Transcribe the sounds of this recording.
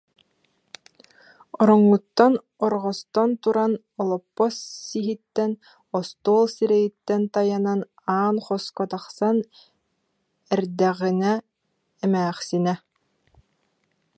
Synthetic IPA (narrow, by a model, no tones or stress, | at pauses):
ɔɾɔŋːut̪ːan | ɔɾʁɔst̪ɔnt̪uɾan | ɔlˠɔpːɔsːiɦit̪ːɛn | ɔst̪oːlˠsiɾɛjit̪ːɛnt̪ajanan | aːnχɔskɔt̪aχsan | ɛɾd̪ɛʁinɛ | ɛmæːχsinɛ